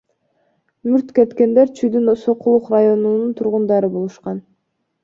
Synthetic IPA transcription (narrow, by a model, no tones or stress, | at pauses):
myɾt̪ket̪ke̞nd̪e̞ɾt͡ʃʰyjd̪ynso̞qulˠuqrajo̞nununt̪ʰuɾʁund̪ɑɾɯbolˠuʃqɑn